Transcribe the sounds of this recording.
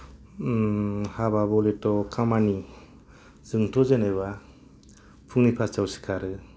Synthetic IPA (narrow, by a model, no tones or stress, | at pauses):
hababɔletɔkʰamani | z̥ɯŋtʰɔzeneβa | pʰunipʰat͡ʃawsi̥kʰaɾɯ